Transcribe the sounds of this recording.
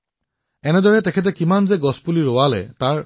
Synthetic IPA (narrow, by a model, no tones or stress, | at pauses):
ɛnɛdɔɹɛtɛkʰɛt̬ɛkimanzɛɡɔspuliɹoalɛ̰taɹ